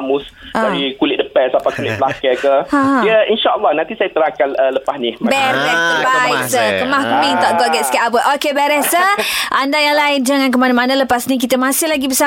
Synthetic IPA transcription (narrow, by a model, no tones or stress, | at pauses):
mʊs | aɾikulɪt̪̚dəpɛsapakulɪʔ̚pəlakɛkəãiəinʃaəlːɔhnãnt̪isajat̪əɾakanələpasnimabɛɾɛht̪əbaiʔ̚sakəmahkəmĩnt̪ɔʔɡɔʔɡɛt̚skaʔabəʔokebɛɾɛhsəʔandajaŋlaɪnd͡ʒaŋank̬əmanamanaləpasnik̬it̪əmasɪhlaɡibəsa